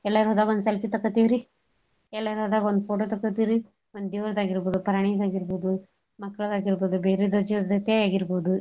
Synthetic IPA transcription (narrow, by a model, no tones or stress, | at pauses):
ɛlːɐɾɦɔd̪aːɡɐond̪selpit̪ɐkːɐt̪ːiɾi | ɛlːɐɾɦɔd̪aːɡond̪upʰoːʈot̪ɐkːɐt̪ːiɾi | ond̪d̪iʋɾɐd̪aːɡiɾboːd̪upɐɾaɳijd̪aːɡiɾboːd̪u | mɐkːɐɭɐd̪aːɡiɾboːd̪ubeːɾed̪od͡ʒid̪ɐt̪ːeaːɡiɾboːd̪u